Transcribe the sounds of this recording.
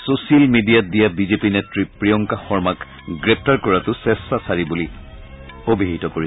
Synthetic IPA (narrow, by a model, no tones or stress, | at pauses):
sosialmidijadijabizepinetɹipɹijɔŋkaxɔɹmak | ɡɹɛp̚ʰtaɹkɔɹatʊsɛsːasaɹibuli | obʱiɦitɔkoɹi